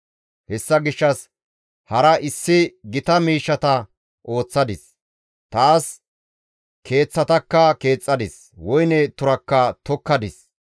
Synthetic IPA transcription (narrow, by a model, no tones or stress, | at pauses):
hɛsːɐɡɪʃːɐs | hɐɾɐʔɪsːɪɡɪt̪ɐmiːʃːɐt̪ɐ | ʔo̞ːt͡sːɐd̪ɪs | t̪aːs | kʰe̞ːt͡sːɐt̪ɐkːɐke̞ːt͡sʼːɐd̪ɪs | wɔjnɛt̪ʊɾɐkːɐt̪ɔkːɐd̪ɪs